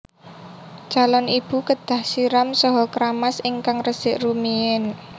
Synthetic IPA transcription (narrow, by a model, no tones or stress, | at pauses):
t͡ʃalɔnib̥ṳkəd̪̥a̤hsiɾamsɔɦɔkɾamasiŋkaŋrəsɪʔrumiɪn